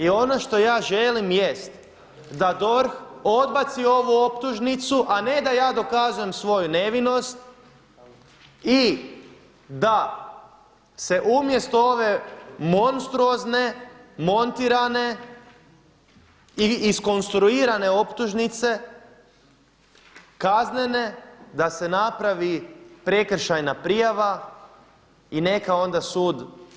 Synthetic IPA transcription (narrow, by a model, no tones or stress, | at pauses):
io̞no̞ʃt̪o̞jaːʒelimje̞st̪ | d̪ad̪o̞ɾxo̞d̪bat̪sio̞ʋuo̞pt̪uʒnit̪suʔane̞d̪ajaːd̪o̞kazuje̞msʋo̞june̞ʋino̞st̪ | i | d̪a | se̞ʔumje̞st̪oo̞ʋe̞mo̞nst̪ɾuo̞zne̞mo̞nt̪iɾane̞ | iisko̞nst̪ɾuiːɾane̞o̞pt̪uʒnit̪se̞ | kaznene̞d̪ase̞napɾaʋipɾe̞kr̩ʃajnapɾijaʋa | ine̞kao̞nd̪asuːd̪